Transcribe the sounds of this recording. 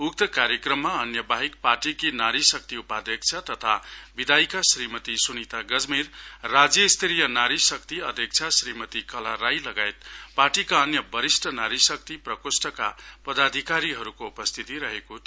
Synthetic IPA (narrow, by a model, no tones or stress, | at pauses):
uk̚t̪ʌkaɾjekrʌmːaʌnjʌbaɦik̚parʈikinaɾisʌk̚t̪iupad̪ʌk̚t͡sʰat̪ʌt̪ʰabid̪ajkasrimʌt̪isunit̪aɡʌd͡zmirrad͡zjʌist̪ʰeɾijʌnaɾisʌk̚t̪iʌd̪ʱjʌk̚t͡sʰasɾimʌt̪ikʌlaɾajlʌɡaet̪paʈikaʌnjʌbʌɾisʈʰʌnaɾisʌk̚t̪iprʌkosʈʰʌka̰pʌd̪ad̪ʱikaɾiɦʌɾukoupʌst̪ʰit̪iɾʌɦekot̪